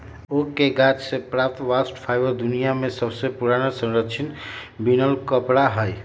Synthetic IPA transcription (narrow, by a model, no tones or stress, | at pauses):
okeɡat͡ʃsepɾap̚t̪ʋasʈpʰajbəɾd̪unijamẽsəbsepuɾañesə̃ŋɾəkt͡ʃʰinbinəlkəpɽaɦəj